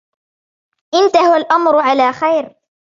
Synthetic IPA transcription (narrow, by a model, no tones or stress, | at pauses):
ʔɪnt̪ahʊwalʔamɾʊʕalaːxajɾ